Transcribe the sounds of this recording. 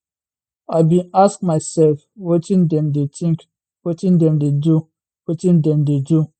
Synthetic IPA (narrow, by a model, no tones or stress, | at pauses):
abĩnask̚maɪsɛlfwotĩndɛmdetʰĩŋk | wotĩndɛ̃mdedu | wotĩndɛ̃mded͡ʒu